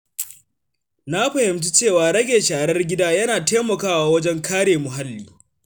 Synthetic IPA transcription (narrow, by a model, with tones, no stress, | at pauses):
na˦ɸɐ˨hɪ˨mt̬u˦t͡ʃeː˦˨waː˨ɽɐ˦ɡʲeː˨ʃaː˨ɾɐ˦rɡʲɪ˦daː˦jɐ˦naː˨teː˦mɐ˨kaː˦waː˦wɐ˦d͡ʒɛ˦ŋkʰaː˦ɽeː˨mʊ˨ɦa˦lːiː˦